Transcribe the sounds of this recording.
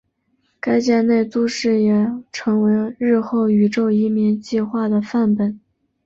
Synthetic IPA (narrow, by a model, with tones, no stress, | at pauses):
ka˥ɪt͡ɕja˥˧ne˥˩ɪt͡s̪u˥ʂɻ̩˥˩jɛ˨˩ʈ͡ʂʰɤ˧˥ŋwe˧˥ɪɻɻ̩˥˧xo˥˩ʊy˨˩ʈ͡ʂo˥˩ʊi˧˥mi˧˥ŋt͡ɕi˥˧xwa˥˩d̪ə˩fa˥˩npə˨˩˦n